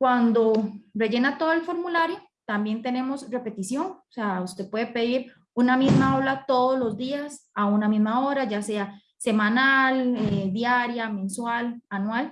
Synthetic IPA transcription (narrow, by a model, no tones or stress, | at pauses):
kwand̪ore̞d͡ʒe̞nat̪o̞ðoe̞lfo̞ɾmulaɾjo | t̪ambje̞nt̪e̞ne̞mo̞sre̞pe̞t̪isjo̞ŋseaust̪e̞pwe̞ðepe̞ðiɾ | unamizmaolat̪o̞ðozlozd̪iasaunamizmaoɾad͡ʒase̞a | se̞mãnaled̪jaɾjamẽ̞nswalanwal